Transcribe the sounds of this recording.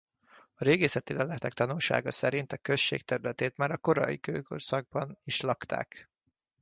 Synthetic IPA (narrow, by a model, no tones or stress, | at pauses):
ɒɾeːɡeːsɛt̪ilɛlɛt̪ɛk̚t̪ɒnulʃa̰ːɡɒsɛɾint̪ɒkø̞ʃːḛːkt̪ɛɾylɛt̪eːt̪maːɾɒko̞ɾɒ̰ḭkøːko̰rsɒɡ̚bɒniʃlɒkt̪ʰa̰ːk